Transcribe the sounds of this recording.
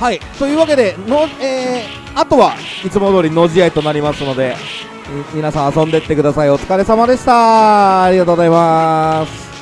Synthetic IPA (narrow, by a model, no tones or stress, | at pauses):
hait̪o̞jɯ̟ːβake̞d̪e̞noeː | at̪o̞βait͡sɨmo̞d̪o̞ːɾʲino̞ʑiait̪o̞naɾʲimasɨno̞d̪e̞ | mʲinasãɰ̃asõ̞nd̪e̞t̪ːekɯd̪asaio̞t͡sɨ̥kaɾe̞samad̪e̞ɕi̥t̪aɾʲiɡat̪oːozaimasɨ̥